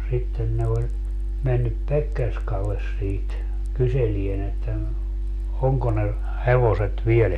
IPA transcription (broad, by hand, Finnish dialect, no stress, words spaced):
sitːen ne olʲ menːyp pekːerskɑlːes siːt kyselien etːæ no oŋko ne heʋoset ʋiel